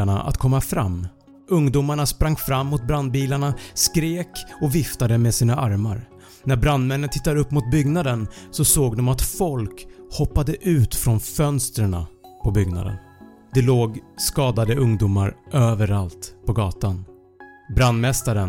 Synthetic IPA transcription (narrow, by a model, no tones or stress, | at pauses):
aɳa̰ʔa̰t̪kʰɔmːafɾa̰mː | ɵŋd̪uːmaɳaspɾaŋːfɾamːʊt̪̚bɾand̪̚biːlaɳaskɾeːkɔvɪft̪ad̪əmesiːnaʔaɾmaɾ | næɾbɾand̪mɛnːənt̪ʰɪt̪ːad̪əɵpːmʊt̪̚bʏɡnad̪ənsɔsoːɡd̪ɔmat̪fɔlkhɔpːad̪əʔʉ̟ːt̪fɾɔnfœnst̪ɾəɳa̰pʰɔbʏɡna̰d̪ə̰n | d̪̥ɛloːɡskɑːd̪ad̪əɵŋd̪uːmaɾʔøːvəɾalt̪pʰɔɡɑːt̪an | bɾand̪mɛst̪aɾən